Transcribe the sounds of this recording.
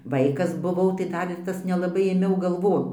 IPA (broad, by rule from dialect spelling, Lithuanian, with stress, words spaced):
ˈʋɐɪkɐs bʊˈʋɐʊ tɐɪ ˈdɐr ɪr ˈtɐs nʲɛlˠɐˈbɐɪ eːˈmʲɛʊ ɡɐlˠˈʋoːn